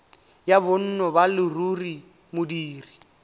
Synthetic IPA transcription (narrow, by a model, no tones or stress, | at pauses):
jabʊn̩nɔbalɪruri | mʊdiːri